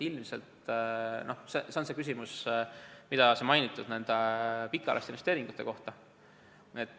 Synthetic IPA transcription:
ilmse̞̰lt̪nʔo̞hsese̞o̞nse̞kys̬ʲimus | mid̪ɑse̞mɑjnit̪ːˑud̪̥ne̞nd̪̥epikːˑɑ̰lʔɑ̰st̪einest̪eɾiŋɡ̥ut̪ːˑe̞ko̞ht̪ɑ | et̪ːˑ

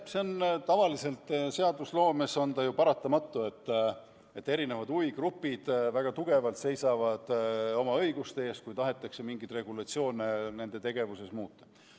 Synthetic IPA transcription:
seont̪ɑvɑlise̞lt̪ːˑse̞ɑd̪uslo̞ːme̞so̞nd̪̥ɑjupɑɾɑt̪ːˑɑmɑt̪ːˑue̞t̪ː | e̞t̪ːe̞ɾine̞vɑd̪uviɡrupːˑid̪̥væɡ̥ɑt̪uɡ̥e̞vɑlt̪se̞jsɑvɑd̪̥o̞mɑɤ̞jɡust̪eeːst̪kujt̪ɑɦe̞t̪ːˑɑkse̞miŋɡit̪re̞ɡ̥ulɑt̪sio̞ːnene̞nd̪̥e̞t̪e̞ɡe̞vuse̞smuːt̪ːˑɑ̥

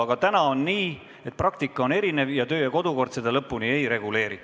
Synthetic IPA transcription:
ɑɡ̥ɑt̪ænɑo̞nːiː | et̪̚prɑkt̪ikˑːɑo̞ne̞ɾine̞vjɑt̪ø̞ːjɑko̞d̪uko̞rd̪se̞d̪̥ɑlɤpːˑunie̞jɾe̞ɡ̥ule̞ːɾi

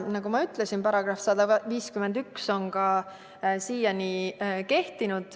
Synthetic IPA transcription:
nɑɡumɑyt̪ˑlesinpɑɾɑɡ̥rɑfsɑd̪ɑviːskymend̪ykso̞ŋkɑ | siːjɑnike̞ht̪inud̪̥

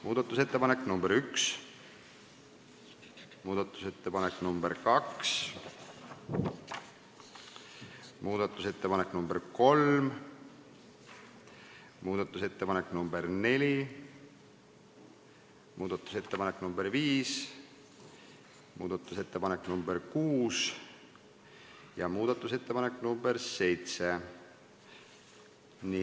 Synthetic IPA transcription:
muːd̪̥ɑt̪ˑːuse̞t̪ːepɑneknumbeɾyks | muːd̪ɑt̪ːˑu̥se̞t̪ːepɑnekːnumb̥eɾkɑks | muːd̪ɑt̪ːˑuse̞t̪ːepɑneknumbeɾko̞lm | muːd̪̥ɑt̪ːˑuse̞t̪ːepɑnekːnumbeɾne̞lʲi | mʔuːd̪̥ɑt̪ːˑu̥se̞t̪ːepɑnekːnumbeɾviːs | muːd̪̥ɑt̪ːˑuse̞t̪ːepɑnekːnumberkuːs | jɑmuːd̪̥ɑt̪ːˑuse̞t̪ːepɑne̞kːnumbeɾse̞jt̪se | ni

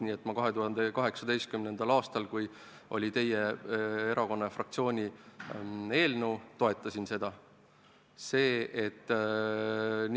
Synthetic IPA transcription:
niet̪ːˑmɑkɑɦe̞t̪uɦɑnd̪e̞kɑɦe̞ksɑd̪̥e̞jst̪kymne̞nd̪̥ɑlɑːst̪ɑlkuj | ʔo̞̰lʲit̪e̞jee̞ɾʔɑko̞nːɑfrɑk̚t̪sio̞ːnʲi | e̞ːlnewt̪o̞e̞t̪ːˑɑsʲinse̞d̪̥ɑ | se̞ːet̪ː | n

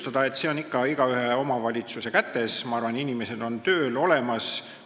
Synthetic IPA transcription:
t̪ɑd̪̥ɑe̞t̪se̞o̞nikːɑiɡ̥ɑyɦeo̞mɑvɑlʲit̪suse̞kæt̪ːe̞smɑɑrvɑninimese̞d̪̥o̞nt̪ø̞ːlo̞le̞mɑs

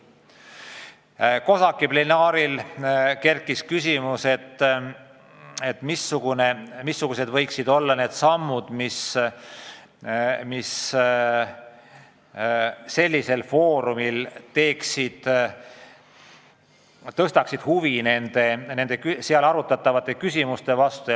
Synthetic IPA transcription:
ko̞sɑkːˑiplenɑːɾilke̞rkːˑiskysʲimuse̞t̪ː | et̪ːˑmisːuɡ̥une̞misːuɡ̥use̞d̪vɤ̞jksid̪o̞lːɑne̞ːd̪̥sɑmːud̪̥mis | mis | se̞lʲːise̞lfo̞ːɾumilt̪e̞ːksid̪̥ | t̪ɤst̪ɑksid̪̥huvine̞nd̪̥e̞ne̞nd̪̥e̞kyseɑlɑɾut̪ːˑɑt̪ːˑɑvɑt̪ːˑe̞kysʲimust̪e̞vɑst̪u

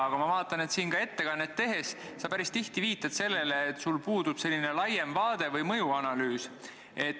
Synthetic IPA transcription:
ɑɡ̥ɑmɑvɑːt̪ːˑɑne̞t̪siːnkɑe̞t̪ːe̞kɑnːet̪ːe̞ɦe̞ssɑpæɾist̪iht̪iviːt̪ːˑɑt̪se̞lːe̞leːt̪ːˑsulpuːd̪̥ub̥se̞lʲːine̞lɑjemvɑːd̪e̞vɤjmɤ̞juɑnɑlyːs | e̞t̪ː

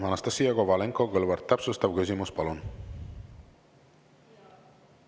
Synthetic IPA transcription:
anast̪asiaɣoβaleŋkoɣolβeɾt̪ːapsost̪awɣezimospalon

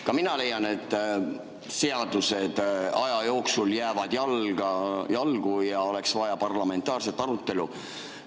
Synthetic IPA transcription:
kɑminɑle̞jːɑne̞t̪ːˑ | se̞ɑd̪use̞d̪̥ɑjɑjo̞ːksuljæːvɑd̪̥jɑlɡɑjɑlɡ̥ujɑo̞le̞ksvɑjɑpɑrlɑme̞nt̪ːˑɑːrse̞t̪ːˑɑɾut̪ːˑe̞lu

